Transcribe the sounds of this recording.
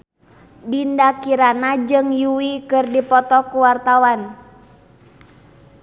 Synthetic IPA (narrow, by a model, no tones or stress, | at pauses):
dindakiɾanad͡ʒɨŋjuwikɨrdipɔt̪ɔkuwart̪awan